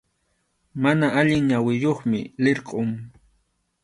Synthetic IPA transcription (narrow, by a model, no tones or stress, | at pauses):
manaʔaʎɪŋɲawɪjoχmɪlɪɾqʼoŋ